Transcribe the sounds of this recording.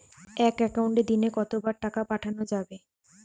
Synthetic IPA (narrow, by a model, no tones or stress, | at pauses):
ɛkɛkauɳʈed̪inekɔt̪obaɾʈakapaʈʰanod͡ʑabe